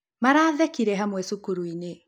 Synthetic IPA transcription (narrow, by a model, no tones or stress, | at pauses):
maɾaːðɛkiɾɛɦamwɛsukuɾuine